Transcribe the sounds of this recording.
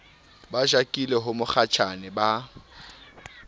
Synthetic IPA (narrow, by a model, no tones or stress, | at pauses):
baʒakʼileɦʊmʊχʰat͡ʃʰanɪba